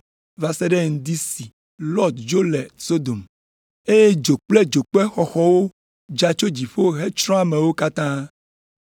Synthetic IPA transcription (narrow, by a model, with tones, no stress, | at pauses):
va˨sɛ˦ɖe˦ŋ̩˨d̪i˦si˨ | lɔ˦d̪d͡ʒo˦le˨so˦d̪o˨m | e˦je˦d͡ʒo˨k͡ple˦d͡ʒo˨k͡pɛ˦xɔ˨xɔ˦wo˦ | d͡ʒa˦t͡ʃo˦d͡ʑi˨ɸo˦ɦe˦t͡ʃɾɔ̃˦a˦mẽ˨wo˦ka˦t̪ã˦